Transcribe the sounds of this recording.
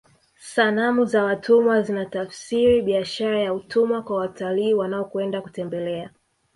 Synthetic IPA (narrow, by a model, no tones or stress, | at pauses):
sanamuzawatʰumwazinatafsiɾiɓiaʃaɾajautʰumwakwawataliːwanaɔkwɛndaku̥tɛmbɛlɛa